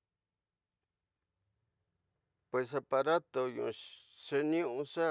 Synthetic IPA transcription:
pwe˨ss̬a˧pa˧ɾa˦t̪o˧ɲṵ̃˨˧ʂe˧nĩ˦ũ˧ʂa˦

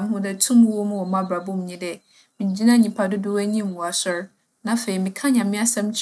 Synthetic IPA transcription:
m˦hʊ̃˦dɛ˦tʰũ˦mũ˦wɔ˦mũ˦wɔ˨mã˦bɾa˨bʊ̃˦m˨ɲĩ˦dɛ˨ | mĩ˨ɲ˨d͡ʑi˦nã˦ɲĩ˨pʰa˨dʊ˦dʊ˦wɛ˦ɲĩ˦m˨wu˨a˨sʊ˦ɾ | nã˦fe˨i˨mɪ̃˨kʰã˦ɲã˨mɪ̃˦a˦sã˦m˦t͡ɕʰ

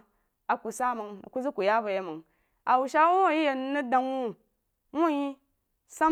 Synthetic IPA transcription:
a˨ku˨sa˦mɨ˨ŋ˨ku˦zu˦ku˨ja˦ba˨je˨mɨ˨ŋ | a˨wu˨ʃa˦wu˦o˦ji˦je˨n˦nu˦da˨ŋwu˦ | mu˦ji˦ | sa˦

